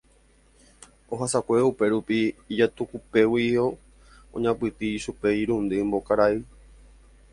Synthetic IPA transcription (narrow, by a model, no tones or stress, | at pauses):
oɦasakʷeupe̞ɾupiːd͡ʒat̪ukupe̞wio | õ̰ɲãpɨt̪iːʃupe̞iɾũnd̪ɨmbokaɾai